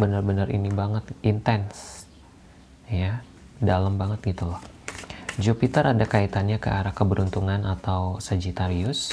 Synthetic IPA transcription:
bənarbənarḭnibaŋət̪int̪ɛns | ja | dalambaŋət̪̚ɡit̪ulɔh | d͡ʒopit̪əɾʔadakait̪anɲakəʔaɾakəbəɾunt̪uŋanat̪awsad͡ʒit̪aɾiʊs

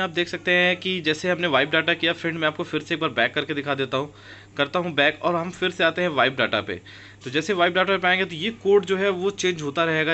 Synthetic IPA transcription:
aːp̚d̪eːksɐk̚t̪eɦɛ̃kid͡ʒɛːseɦɐmneʋaːɪbɖaːʈakijafɪɳɖmɛ̃aːp̚kofɪɾseeːk̚baːɾbɛ̃ːkːɐɾked̪ɪkʰaːd̪eːt̪aɦũ | kɐɾt̪aɦũbɛ̃ːkɔːɾɦɐmfɪɾseaːt̪eɦɛ̃ʋaːɪb̚ɖa̰ːʈa̰pḛ | t̪od͡ʒɛːseʋaːɪbɖaːʈapepaːẽːŋɡet̪ojekoːɾʈd͡ʒoːɦɛʋot͡ʃẽːɲd͡ʒɦoːt̪aɾɐɦeːɡa

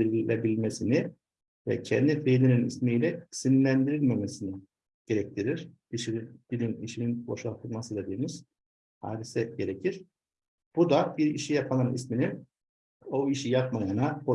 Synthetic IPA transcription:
iɾilʲebilʲmesini | vɛ̰cʰɛ̰nd̪ifelininḭsmijlʲɛisinlʲænd̪iɾilʲmɛmesinɪ | ɟ̥e̞ɾɛc̚t̪ʰiɾiɾ̥d̪̥iʃid̪̥ilʲiniʃininbo̞̰ʃalt̪ʰɯlˠmasɯd̪ed̪iːmiz̥ | ha̰ːd̪isɛɟe̞ɾecʰiɾ̥ | b̥ud̪abiɾḭʃijapʰalˠanḭsmini | o̞iʃijapmajanabo

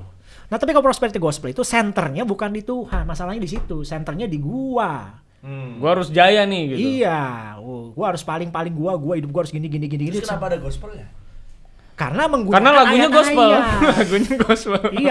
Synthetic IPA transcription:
naht̪ap̬ikalopɾospɛɾit̪eɡuaspəlit̪usɛnt̪ərɲabukandit̪uhanmasalahɲadis̬it̪usɛnt̪ərɲadiɡua | ɡuaaɾʊsd͡ʒajanɪhɡit̪ijaoɡuaɦaɾʊspalɪŋpalɪŋɡuaɡuahidʊp̚ɡuaɦaɾʊsɡiniɡiniɡiniɡinkənapaːdaɡɔspəlja | ka̰rənaməŋɡukarənalaɡuɲaɡɔspəllaɡuɲaɡɔspəli

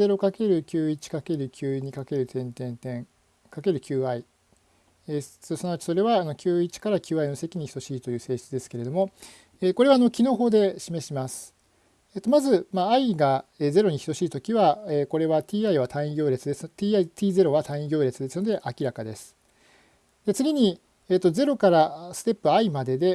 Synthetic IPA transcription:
e̞ɾo̞kake̞ɾɯ̟kʲɨːit͡ɕi̥kake̞ɾɯ̟kʲɨːɲ̟ikake̞ɾɯ̟t̪ʰẽ̞nt̪ẽ̞nt̪ẽ̞ŋ | kake̞ɾɯ̟kʲʰɨːai | essonoat͡ɕi̥so̞ɾe̞βaːno̞kʲɨːit͡ɕi̥kaɾakʲɨːaino̞se̞kʲiɲ̟içi̥t̪o̞ɕiːt̪o̞jɯ̟ːse̞ːɕi̥t͡sɨd̪e̞sɨ̥keɾe̞d̪o̞mo | eːko̞ɾe̞βaːno̞kʲino̞ːɦo̞ːd̪e̞ɕime̞ɕimasɨ̥ | et̪ːo̞mazɨmaːiɡaeːze̞ɾo̞ɲ̟içi̥so̞ɕiːt̪o̞kʲiβaeːko̞ɾe̞βat̪ʲiːaiβ̞at̪ãɰ̃ĩɡʲo̞ːɾe̞t͡sɨd̪e̞sɨt̪iːait̪ʲiːze̞ɾo̞βat̪ʰãɰ̃ĩɡʲo̞ːɾe̞t͡sɨd̪e̞sɨno̞d̪e̞ʔakʲiɾakad̪e̞sɨ̥ | d̪̥e̞t͡sɨɡʲiɲ̟i | eːt̪ːo̞ze̞ɾo̞kaɾasɨ̥t̪e̞pːɯ̟aimad̪e̞d̪e̞

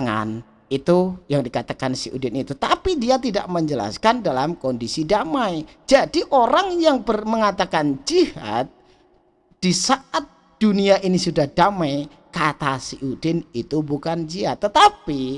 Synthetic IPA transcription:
ŋa̰n | it̪ujaŋdikat̪akansḭʔṵdɪnit̪ut̪apidiat̪ida̰ʔməɲd͡ʒəla̰skandalamkɔndisidamaj | d͡ʒadiʔoɾaŋjaŋbərməŋat̪akand͡ʒiha̰t̪̚ | d̥isaʔat̪̚ | d̥uniaʔinisudahd̥amaj | kat̪asiʔudɪnit̪ubukand͡ʒiɦat̪ːət̪api

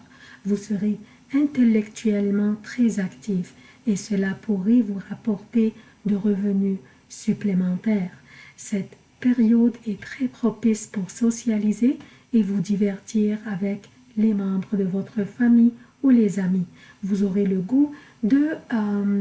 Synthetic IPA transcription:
vusəʁe | ɛ̃t̪elɛkt̪yɛlmɑ̃t̪χɛzakt̪if | esəlapuʁevuʁapɔʁt̪e | d̪əʁəvəny | syplemɑ̃t̪ɛːʁsɛt̪ | peʁjɔd̪ɛt̪χɛpχɔpispuʁsɔsjalizeː | vud̪ivɛʁt̪iʁavɛk | lemɑ̃bʁəd̪əvɔt̪χəfami | ulezami | vuzɔʁeləɡu | d̪ə

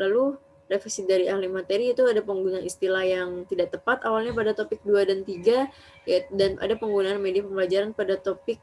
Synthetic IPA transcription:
lalu | refisidaɾiahlimat̪eɾiːt̪uadapəŋɡunanist̪ilahjaŋt̪idaʔt̪əpat̪awalɲapadat̪opɪk̚duadant̪iɡa | jadanʔa̰dapəŋɡunaːnmediapəmbəlad͡ʒaɾanpadat̪opɪk̚

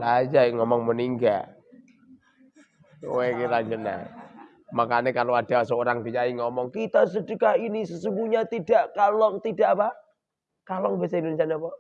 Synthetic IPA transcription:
lad͡ʒaŋɔmɔŋməniŋɡa | wekilaɲd͡ʒəna̰ | makanekaload̥asəoɾaŋdiɲaiŋɔmɔŋkit̪as̬ədəkahinisəsumbuɲat̪idaʔkalot̪idaʔapa | kalɔŋbasaindonis̬ianapɔ

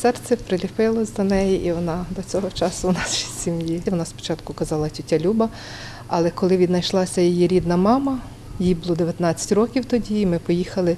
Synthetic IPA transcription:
sɛrt͡sʲɛpɾɪlʲipɪlˠɔzʲd̪ɐnɛjiʔiʋɔnɑd̪ɔt͡sʲɔɦɔt͡ʃɑsʊwnɑsʃʲi̥sʲsʲimjiʋɔnɑspɔ̥t͡ʃɑt̪kʊkɐzɑlˠɐtʲitʲːalʲubɐ | ɐ̰lˠɛkɔlˠɪʋʲid̪nɐjʃlˠɑsʲɐjɔjiɾʲid̪nɐmɑmɐ | jjibʊlˠɔd̪eʋjɐt̪nɑt͡sʲːɐ̥tʲrɔkʲiwt̪ɔdʲiːmɪpɔjixɐlˠɪ

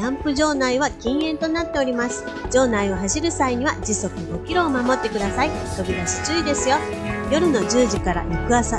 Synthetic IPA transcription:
ãmpɯ̟ʑo̞ːnaiβakʲĩɰ̃ẽ̞nt̪o̞nat̪ːe̞o̞ɾʲimasɨ̥ | d͡ʑo̞ːnaio̞ɦaɕiɾɯ̟saiɲ̟iβad͡ʑiso̞kɯ̟okʲiɾo̞ːmamo̞t̪ːe̞kɯd̪asait̪o̞bʲid̪aɕi̥t͡ɕɨid̪e̞sɨjo̞jo̞ɾɯ̟no̞d͡ʑɨːʑikaɾa̰ʔikɯ̟asa

